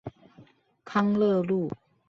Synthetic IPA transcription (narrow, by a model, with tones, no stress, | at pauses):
kʰa˥ŋlə˥˧lu˥˨